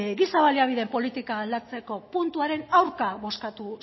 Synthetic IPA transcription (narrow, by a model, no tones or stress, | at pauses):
ɡisaβaliaβ̞iðe̞mpo̞lit̪ikaːld̪at͡se̞ko̞punt̪uaɾe̞nawɾkaβo̞skat̪u